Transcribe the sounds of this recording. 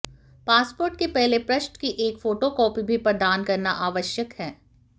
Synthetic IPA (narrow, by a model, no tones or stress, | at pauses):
paːspoːɾʈkepɛɦlepɾɐʃɳkiʔeːkfoːʈokɔːpibʱipɐɾd̪aːnkɐɾnaʔaːʋəʃjəkhɛː